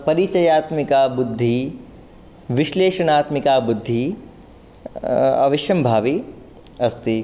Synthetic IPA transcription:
pɐɾit͡ʃɐjaːt̪mikaːbud̪ʱːi | ʋiʃleːʃɐɳ̃aːt̪mikaːbud̪ʱːi | ɐ̰ʋiʃjɐmbʱaːʋi | ɐst̪i

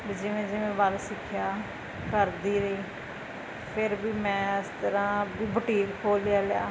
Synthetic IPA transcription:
bid͡ʒɪʋẽːd͡ʒɪʋẽːbəlsɪkʰɪjaː | kəɾd̪iːɾəiː | pʰɪɾbiːmɛ̃ːɪst̪əɾãːbiːbəʈiːkkʰoːlɪjaːlɪja̰ː

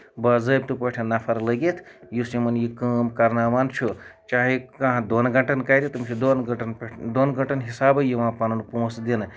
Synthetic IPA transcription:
bɐzəjb̚t̪upɐʈʰɐnapʰɐɾləɡet̪ʰ | jusimɐnjikəmkɐɾnamant͡ʃʰut͡ʃaɦikɐɦãd̪onɡɐʈɐnkajɾit̪umt͡ʃʰid̪onɡʈnd̪onɡɐʈɐnɦisaːbəjiʋãpanunpõsd̪enɨ

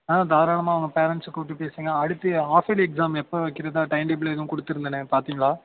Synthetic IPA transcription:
ãːd̪ʱaːɾaːɳɐmaːɐʋɐŋɡɐpeːɾɐɳʈskːoʈːɯpeːsiːŋɡɐɐɽɯt̪ːɯaːfɐlɛksaːmɛpːoːʋɐkːɪɾɐðaːʈɐɪmɖeːbɪlɪðɐʋʊ̃kɔɽɯt̪ːɪɾɯnd̪ɐnɯpaːɾt̪iːŋɡɐɭaː

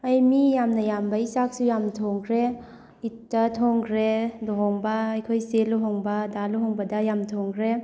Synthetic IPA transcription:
ɐjmijamnɐjambɐisak̚sujamtʰɔŋkɾe | itːɐtʰɔŋɡɾedɔɦɔŋbɐːjkʰojseluɦɔŋbɐdaluɦɔŋbɐdɐjamtʰoŋɡɾe

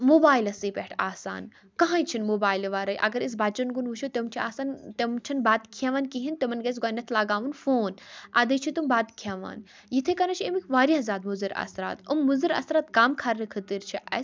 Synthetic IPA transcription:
moːbaːjilɐsiːpeʈʰa̰ːsa̰ːn | kɐɦãːjt͡ʃʰinmobaːjlʋaːɾɐjʔɐ̰ɡɐɾis̬baːt͡ʃɐnɡunʋuʃʰot̪emt͡ʃʰiaːsaːnt̪emt͡ʃʰɐnbaːd̪kʰaʋaːnkiɦint̪emɐnɡɐs̬ɡaːnɐt̪ʰlaːɡaːʋunfoːnɐ̰d̪ɐjt͡ʃʰit̪umbaːt̪kʰaʋa̰ːn | jit̪ʰekɐnɐt͡ʃʰiemikʰʲʋaːɾʲjazaːd̪muzɐɾɐ̰sɾa̰ːt̪umːuzɨɾɐ̰sɾaːt̪kaːmkʰɐɾnɨkʰɨt̪iɾt͡ʃʰiʔɐ̰s

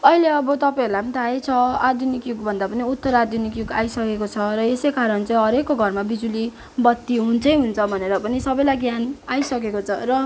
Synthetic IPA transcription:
ʌileʌbʌt̪ʌpãoɾlapʌnit̪ʰaat͡sʰʌad̪junikjuɡbʱʌnd̪apʌniut̪ːʌɾad̪junikjuɡajsʌkekot͡sʰʌɾʌesʌjkaɾʌnt͡sãĩɦʌɾekːoɡʱʌrmabid͡zuli | bʌt̪ːiɦunt͡sʰʌj̃ɦunt͡sʰʌbʱʌneɾʌpʌnisʌbʌjlajɡjanajsʌkekot͡sʰʌɾʌ

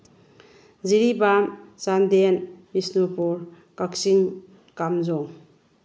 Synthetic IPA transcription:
ziɾibamsandenbisnopuɾ | kaksiŋ | kamzɔŋ

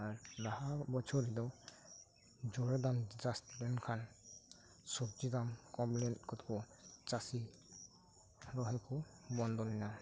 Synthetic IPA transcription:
aɹlahabɔt͡ʃʰɔɾid̪ɔ | d͡ʒɔɹɛd̪amd͡ʒastlɛnkʰan | sɔk̚d͡ʒid̪amkɔmplɛntkɔt̪kɔ | t͡ʃasi | ɾɔɦɛkɔbɔnd̪ɔlɔna

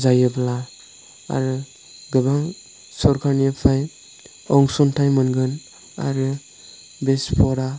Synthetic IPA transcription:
zajɯbla | a̰ɾɯ | ɡɯbaŋ | sɔɾkʰanijapʰaj | ɔŋsɔntʰajmɯnɡɯn | a̰ɾɯ | bespʰɔɾa

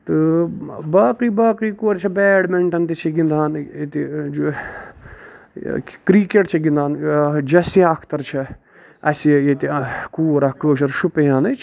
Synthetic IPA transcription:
t̪ɨbaːkiːbaːkiːkoːɾt͡ʃʰɐbɛːɽmeɳʈɐnt̪it͡ʃʰiɡind̪aːnt̪id͡ʒ | kɾiːkeʈt͡ʃʰɐɡĩnd̪aːnd͡ʒɐsiɐkʰt̪ɐɾt͡ʃʰɐ | ɐsijet̪ikuːɾɐkəːʃ̬ɐɾʃupejaːnɐt͡ʃʰ

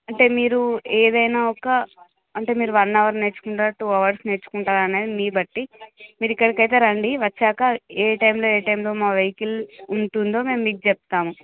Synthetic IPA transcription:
ɐɳʈe̞ːmiːɾueːd̪ɐjnaːɔkɐ | ɐɳʈe̞ːmiːɾuʋɐnːɐʋɐɾne̞ːɾt͡ʃːu̥kuɳʈaːɾʈuːɐʋɐɾsne̞ːɾt͡ʃːu̥kuɳʈaːɾɐneːd̪imiːbɐʈːimiːɾikːɐɽikɐjt̪̬e̞ːɾɐɳɖiʋɐt͡ʃːaːkɐeːʈɐjmlo̞ːeːʈɐjmlo̞ːmaːʋɐjkiluɳʈund̪o̞ːme̞ːmːiːkud͡ʒɛp̚t̪aːmu

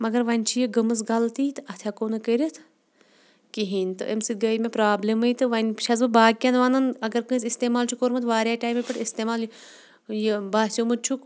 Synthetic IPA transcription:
mɐɡɐɾʋɐnʲt͡ʃʰijiɡɐmɐs̬ɡɐlt̪iːt̪ɨɐt̪ʰjakoːnɨkəɾʲit̪ʰ | kiɦiːnʲt̪ɨ̰emsit̪̚ɡɐimepɾaːblemɨjt̪ɨʋɐnʲt͡ʃʰɐzɨbaːɡ̚kʲɐnʋaːnɐnɐɡɐɾkɨ̃ːsʲist̪eːmaːlt͡ʃʰukoːɾmɐt̪ʰʋaːɾjaːʈaːjmepʲɐʈʰist̪emaːl | jebaːsʲomɨt̪̚t͡ʃʰuk

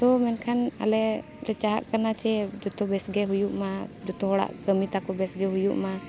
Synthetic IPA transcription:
t̪ɔmɛnkʰana̰lɛʔ | ɾɛt͡ʃaɦa̰ʔkanat͡ʃɛd͡ʒɔt̪ɔbɛsɡɛɦujuʔmad͡ʒut̪ɔɦɔɽa̰ʔkəmit̪akɔbɛsɡɛɦujuʔma

